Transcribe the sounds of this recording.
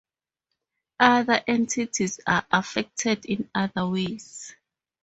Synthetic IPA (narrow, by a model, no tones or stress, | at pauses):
ʔaðaʔɛ̃ntʰitʰizaʔafɛk̚tʰɛdĩnaðawez̥